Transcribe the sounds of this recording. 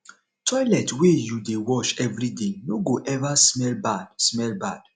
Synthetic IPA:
tʰɔjlɛtwejudewɔʃɛvɹidenoɡoʔɛvasmɛlbadsmɛlbad̥

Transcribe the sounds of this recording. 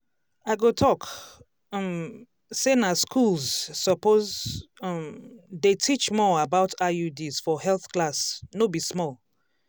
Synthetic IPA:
aɪɡotʰɔk | ɔm | senaskʰulˠzsɔpoz | mdetʰit͡ʃmɔabaʊtʰajudiz̥fɔhɛlˠθklasnobismɔlˠ

